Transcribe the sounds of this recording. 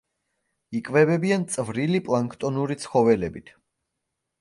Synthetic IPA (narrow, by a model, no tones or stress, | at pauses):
ikʼvɛbɛbiant̪sʼvɾilipʼlˠaŋkʰt̪ʼɔnuɾit̪sʰχɔvɛlɛbit̪ʰ